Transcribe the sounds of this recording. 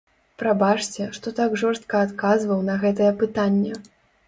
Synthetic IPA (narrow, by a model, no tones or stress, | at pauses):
pɾabat͡ʂt͡sʲɛʂt̪ɔt̪aɡʐɔrst̪̚kɐːt̪kazvɐwnɐɣɛt̪̬ɐjɛpɨt̪anʲːɛ